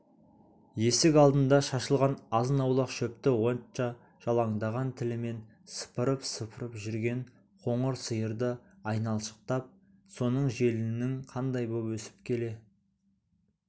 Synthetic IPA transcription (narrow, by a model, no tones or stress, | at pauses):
je̞sɪkɑlˠd̪ənd̪ɑʃɑʃəlˠʁɑnɑzənɑwlˠəqʃɵp̚t̪ɪwo̞nt͡ʃɑ | ʒ̥ɑlˠɑɴd̪ɑʁɑnt̪ʰɪlɪme̞n | sə̥pəɾəpsəpʰəɾəpʒʏɾɡʲe̞ɴ | qʰo̞ɴəɾsəjəɾd̪əɑjnɑlˠʃə̥q̚t̪ɑp̚ | so̞nəɴʒe̞lɪnɪŋqʰɑnd̪ɑjbopwɵsɪ̥p̚kʲʰe̞le̞